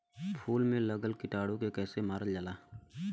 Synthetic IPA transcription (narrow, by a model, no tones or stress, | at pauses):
pʰuːlmẽləɡəlkɪʈaːɽokekɛːsemaːɾəld͡ʒəlaː